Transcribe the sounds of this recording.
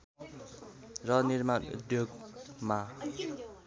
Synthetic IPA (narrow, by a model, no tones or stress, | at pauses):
rʌniɾma̰d̪jok̚ma